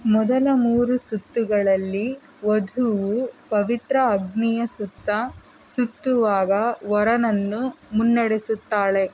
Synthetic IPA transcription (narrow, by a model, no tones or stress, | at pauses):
mɔd̪ɐlɐmuːɾusut̪ːuɡɐɭɐlːi | ʋod̪ʱuupɐʋit̪ɾɐːɡnijɐsut̪ːɐ | sut̪ːuʋaːɡɐʋɔɾɐnɐnːumunːɐɽesut̪ːaːɭe̞